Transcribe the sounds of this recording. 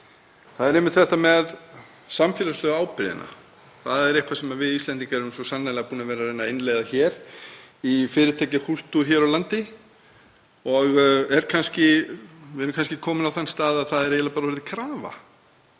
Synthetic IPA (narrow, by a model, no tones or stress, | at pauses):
θaðɛɾemɪt̪θfɛht̪amɛð | samfjɛːlaslœːɣaːwpɪɾðɪ̰na̰ | θaðɛɾejhkʰvasɛmavɪðisɛnt̪̬iŋkaɾʏmsɔsanːalɣapuːnavɛːɾaɾejnaɪjnlɛɣðaçɛːɾ | ifɪːɾɪt̪ʰɛːcɪhul̥t̪uɾ̥çɛɾɔlant̪ɪ | ɔɣɛɾ̥kʰanscɪvɪɛɾʏmkʰanscɪkʰɔːmɪnawθanːst̪aːðaðθaðɛɾejt̪lapaːɾavɛɾðɪkʰɾaːva̰